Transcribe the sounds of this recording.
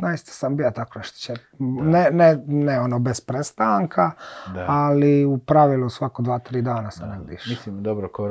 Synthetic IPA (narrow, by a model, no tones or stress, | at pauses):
naist̪ḁsambijat̪akonaʃt̪o̥t͡ʃe | neneneonobespɾest̪aːŋkʰaaliupɾaʋilˠusʋakod̪ʋaːt̪ɾiːd̪aːnasaneid̪ḭʃmisimd̪obɾoko